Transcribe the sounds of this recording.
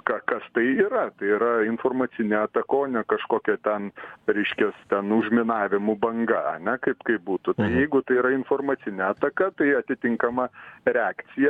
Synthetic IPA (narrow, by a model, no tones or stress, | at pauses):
kɑkɐst̪ɐɪiɾɐt̪ɐɪiɾɐɪnfoːrmɐt͡s̪ʲɪnʲeːɐt̪ɐkoːnʲɛkɐʃkoːkʲɛt̪ʲɛnɾʲɛɪʃʲkʲɛst̪ʲɛnʊʒʲmʲɪnɑːʋʲɪmʊbɐŋɡɐɐ̰nʲɛkɐɪpkɐɪp̚buːt̪ʊt̪ɐɪjɛɪɡʊt̪ɐɪiɾɐɪnfoːrmɐːt͡s̪ʲɪnʲeːɐt̪ɐkɐt̪ɐɪɐt̪ʲɪt̪ʲɪŋkɐmɐɾʲɛaːkt̪t͡s̪ʲɪjɛ